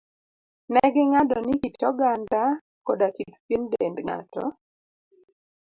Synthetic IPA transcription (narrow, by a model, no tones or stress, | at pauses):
nɛɡɛŋadɔnikit͡ʃɔɡanda | kɔdakit̪pjendendŋa̰tɔ̰